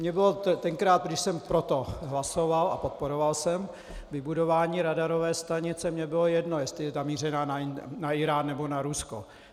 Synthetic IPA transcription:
mɲɛbɪlot̪t̪ɛŋkɾaːt̪̚ɡdɪʃsɛmpɾot̪o̞ɦlaso̞vala̰po̞t̪̚poɾovalsɛm | vɪbudovaːɲiːɾadaɾo̞vɛːst̪aɲɪt͡sɛmɲɛbɪlojɛdno̞jɛst̪lɪjɛzamiːr̝ɛnaːnaɪnaɪɾaːnːɛbo̞naɾusko̞̰

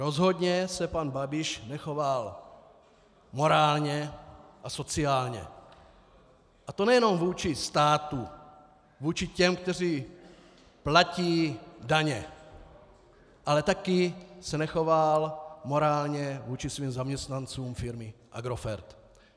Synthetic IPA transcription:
ɾozɦod̪ɲɛsɛpanbabɪʃnɛxoval | mo̞ɾaːlɲɛʔasot͡siaːlɲɛ̰ | ʔat̪onɛjɛnomvuːt͡ʃist̪aːt̪u | vuːt͡ʃicɛmk̚t̪ɛr̝iː | placiːdaɲɛ | ʔalɛt̪akisɛnɛxovalmoɾaːlɲɛvuːt͡ʃisviːmzamɲɛst̪nant͡suːmfɪɾmɪʔa̰ɡɾofɛ̰ɾt̪

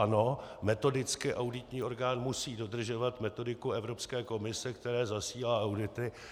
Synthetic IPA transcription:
ano̞mɛt̪o̞dɪt͡skɪʔawdɪt̪ɲiːo̞ɾɡaːnmusiːdo̞dr̩ʒo̞vat̪mɛt̪o̞dɪkuɛvɾopskɛːko̞mɪsɛkt̪ɛɾɛːzasiːlaːʔawdɪt̪ɪ

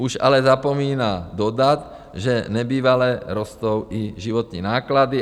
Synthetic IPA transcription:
uʒa̰lɛzapɔmiːnad̪ɔd̪at̪ | ʒɛɲɛbiːʋalɛɾɔst̪ɔʊiʒiʋɔt̪ninaːklad̪i

